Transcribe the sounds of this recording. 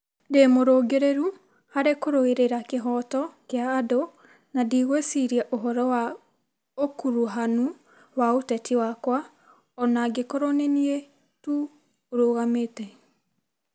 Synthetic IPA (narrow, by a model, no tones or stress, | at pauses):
demoɾoːɡeɾeɾu | haɾekoɾoeɾeɾakeɦɔtɔkeaːdo | nadiɣwesiɾiaʔoɦɔɾɔwa | okuɾuɦanu | waotɛtʰiwakwa | ɔnaɡekoɾɔnenie | tu | oɾoːɣametɛ